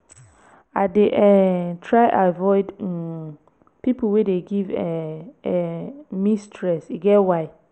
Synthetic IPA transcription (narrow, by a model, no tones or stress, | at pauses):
adeʔɛtʰɹaɪʔavɔɪdɛ | pipowedeɡivɛɛmistʰɹɛsiɡɛwaɪ